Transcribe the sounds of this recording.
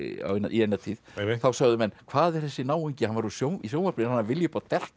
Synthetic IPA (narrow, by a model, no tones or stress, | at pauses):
a̰wna̰ʔḭejnːat̪ʰiːðθawsaɣðʏmɛnːkʰvaːðɛr̥θɛsːɪnaːwiɲcɪhanvaɾusjowmisjoːwmaɾpnɪhanːavɪljʏpaat̪ɛl̥t̪